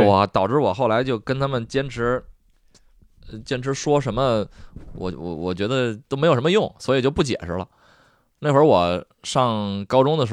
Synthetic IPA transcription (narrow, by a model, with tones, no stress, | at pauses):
wɔ˨˩t̪ɑ˨˩ʊʈ͡ʂɻ̩˥˩wɔ˨˩xo˥˩la˧˥ɪt͡ɕjo˥˩ʊkə˥nt̪ʰa˥mə˨nt͡ɕjɛ˥nʈ͡ʂʰɻ̩˧˥˧ | t͡ɕjɛ˥nʈ͡ʂʰɻ̩˧˥ʂwɔ˥ʂə˧˥nmə˧wɔ̰˨˩wɔ̰˨˩wɔ̰˨˩t͡ɕɥɛ˧˥d̪ə˧t̪o˥ʊme˧˥jʂmə˧jʊ˥˩ŋswɔ˧˥i˨˩t͡ɕjo˥˧ʊp̬u˥˩t͡ɕjɛ̰˨˩ʂɻ̩˥lə̰˧ | na˥˩ɪxwə˞˧˥wɔ˨˩ | ʂɑ˥˩ŋkɑ˥ʊʈ͡ʂʊ˥ŋd̪ə˨ʂ